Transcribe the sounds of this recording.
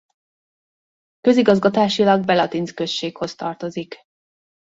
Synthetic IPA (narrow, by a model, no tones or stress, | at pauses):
kø̞ziɡɒzɡɒt̪aːʃilɒɡ̚bɛlɒt̪inskø̞st͡ʃːeːkho̞st̪ɒrt̪o̞zik